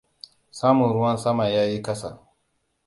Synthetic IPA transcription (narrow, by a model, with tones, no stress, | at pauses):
saː˦mʊ˨nɾʊ˦wɐ˦nsɐ˦ma˨jaː˦ji˦kɐ˦sa̰˨